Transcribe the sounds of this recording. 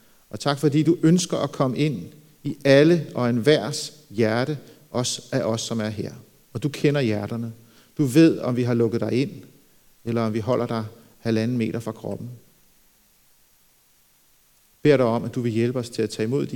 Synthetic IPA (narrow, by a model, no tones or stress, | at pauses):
ʔɒ̽t͡sʰɑ̈ɡ̥fɒ̽dḭːd̥uʔønsɡ̥ɐʔækʰɒ̽məe̝n̰ | iæləɒ̽enʋæɐ̰s | jæɐɾə | ʔɒ̽sæʔɒ̽sːɒ̽mæɐɦe̝ɐ̰ | ɒ̽d̥ukʰenɐjæɐɾ̥ɐnə | d̥uʋe̝ð̞̰ˠɒ̽mʋiɦɑ̈lɔ̽ɡ̥əð̩ˠd̥ɑ̈ɪe̝n̰ | elɐɒ̽mʋiɦɒ̽l̰ɐd̥ɑ̈ɪ | hælæn̩me̝̰ːɾɐfʁɑ̈kʰʁɒ̽b̥n̩ | b̥e̝ɐ̰ɾɑ̈ɪɒ̽mʔæd̥uʋe̝jelb̥əɒ̽st͡sʰe̝læt͡sʰɛ̰ːimo̝ð̞̰ˠd̥i